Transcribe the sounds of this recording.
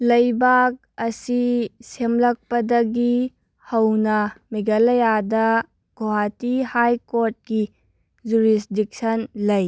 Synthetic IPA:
lɐjbak̚ɐsisemlɐk̚pɐdɐɡi | hɐwnɐmiɡɐlɐjadɐ | ɡ̥ʱoɦatihajkoɾt̚ki | d͡ʒuɾisdik̚sɐnlɐj

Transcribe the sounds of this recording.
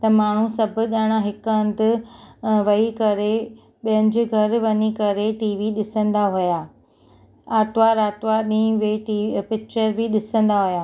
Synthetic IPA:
t̪ɐmaːɳ̤usɐbʱʊ̆ɠaːɽ̃aɦɪkə̃nd̪ɪ | ʋɐikɐɾe | ɓijə̃ɲd͡ʑɪɡʱɐɾʋɐɲikɐɾeʈiːʋiɗɪsə̃nd̪aɦujaː | aːt̪ʋaɾaːt̪ʋaɗĩːʋeʈipɪk̚t͡ɕəɾbʱɪɗɪsə̃nd̪aɦujaː

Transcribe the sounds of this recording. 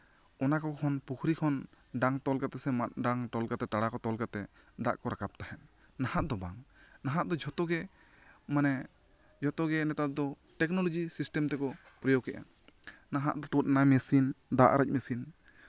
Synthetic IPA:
ɔnakɔkɔɔnpukʰɾikʰɔn | ɖaŋt̪ɔlkat̪ɛsɛmat̪̚ɖaŋʈɔlkat̪ɛt̪aɽakɔt̪ɔlkat̪ɛ | d̪a̰ʔkɔɾakʰap̚t̪ahɛn̚ | nahaʔd̪ɔbaŋnaɦaʔd̪ɔd͡ʒʱɔt̪ɔɡɛ | manɛ | d͡ʒʱɔt̪ɔɡɛnɛt̪at̪̚d̪ɔ | ʈɛk̚nɔlɔd͡ʒisisʈɛmt̪ɛkɔ | pɾijɔkɛʔa̰ | naɦa̰ʔd̪ɔt̪ut̪̚namɛsind̪aʔɾac̚ˀmɛsin

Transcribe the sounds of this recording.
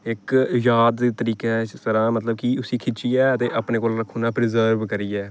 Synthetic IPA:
ɪkjaːd̪iːt̪əɾiːkesəɾãːmət̪ləb̚kiːʊsiːkʰɪt͡ʃiːɛːət̪eːʔəpneːkoːlɾəkʰːuːnaːpɾɪzəɾʋkəɾiːɛː

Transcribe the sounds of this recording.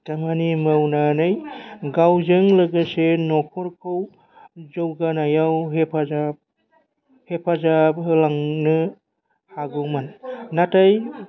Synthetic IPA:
tamanimawnanɯjɡawzɯŋlɯɡasenɔkʰɔɾkʰow | zowɡanajawɦepʰazap̚ | hepʰazap̚ɦɯlaŋnɯ | haɡɯmanːataj

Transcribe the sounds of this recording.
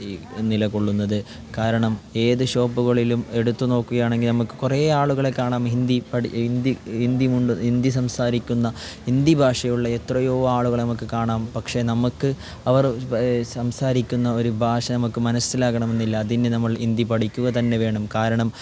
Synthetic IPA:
nilɐko̞ɭːun̪ːɐðɨ | kaːɾɐɳɐme̞ːðɨɕo̞ːbuɣɐɭilume̞ɽut̪ːuno̞ːkːuɣɐjaːɳe̞ŋɡilnɐmukːɨ̥kureːaːɭuɣɐɭekːaːɳaːmɦind̪ipɐind̪iind̪imuɳɖuind̪isɐmsaːɾikʲːunːɐind̪ibʱaːʂɐjuɭːɐet̪rɐjoːaːɭuɣɐɭnɐmukːɨkaːɳaːmpɐkʂe̞nɐmukːɨ | ɐʋɐrsɐmsaːɾikʲːunːɐo̞ɾubʱaːʂɐnɐmukːɨmɐnɐsilaːɣɐɳɐme̞nːilːɐːðindɨnɐmːɐɭind̪ipɐɽikʲːuɣɐt̪ɐnːe̞ʋe̞ːɳumkaːɾɐɳɐm

